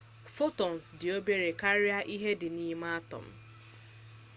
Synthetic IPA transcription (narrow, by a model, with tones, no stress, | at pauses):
fo˦tɔ˨n̩˨sdɪ˨o˦be˦ɾe˨ka˦ɾɪ˦a˦ʔi˦ɦe˦dɪ˨ni˦m˦a˦tɔ̰˨m̩˦